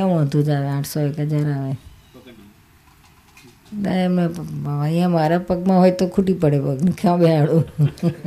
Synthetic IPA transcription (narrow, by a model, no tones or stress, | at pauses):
kam̃ət̪ũd͡ʒaːʋeãːʈʰsoekɦəd͡ʒaɾaʋe | t̪aɾemẽaaijãmaɾapəɡmãɦoːjt̪okʰuʈipəɽepəɡnkʰãɓeaɭũ